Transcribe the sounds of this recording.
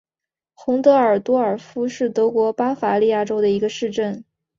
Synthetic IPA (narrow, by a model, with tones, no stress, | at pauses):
xʊ˧˥ŋt̪ɤ˧˥ə˞˨˩t̪wɔ˥ə˞˨˩fu˥ʂɻ̩˥˩t̪ɤ˧˥kwɔ˧˥pa˥fa˧˥li˥˧ja˥˩ʈ͡ʂo˥ʊd̪ə˨i˧˥ɡə˧ʂɻ̩˥˧ʈ͡ʂə˥˩n